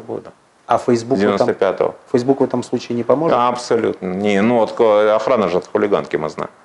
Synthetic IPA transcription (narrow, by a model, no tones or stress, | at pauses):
bo̰d̪ə | ɐfɛjzbud̪ʲɪvʲɪnost̪əpʲat̪ə̰və̰fəjzbukvɛt̪əmslˠut͡ɕɪːɪnʲɪpɐmoʐɐpsɐlʲṵt̪nənʲenuot̪kɐxɾanəʐɨt̪xʊlʲɪɡa̰nkʲɪmɨ̰zna̰ɪm